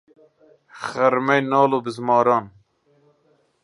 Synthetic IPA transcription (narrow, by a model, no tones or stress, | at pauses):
χæɾmɛjnɑːloːbɨzmɑːɾɑːn